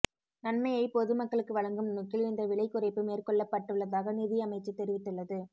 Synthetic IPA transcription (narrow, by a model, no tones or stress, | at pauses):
nɐnmɐɪɐɪpɔðɯmɐkːɐɭɯkːɯʋɐɭɐŋɡɯmnʊkːɪlɪnd̪ɐʋɪɭɐɪkːʊɾɐɪpːɯmeːrkɔɭːɐpːɐʈːɯɭːɐðaːɣɐniðɪɐmɐɪt͡ʃːɯt̪ːɛɾɪʋɪt̪ːɯɭːɐðɯ